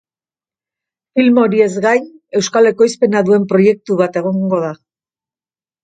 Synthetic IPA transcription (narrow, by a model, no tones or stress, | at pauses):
filmo̞ɾie̞zɣaje̞wskale̞ko̞jspe̞naðue̞mpɾo̞je̞k̚t̪uβat̪e̞ɣ̞o̞ŋɡo̞ða